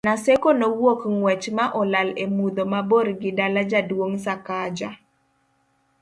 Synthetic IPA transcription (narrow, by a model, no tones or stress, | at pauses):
nasekonowokŋwɛt͡ʃmaʔɔlalemud̪omaboɾɡɪdalad͡ʒadwoŋsakad͡ʒa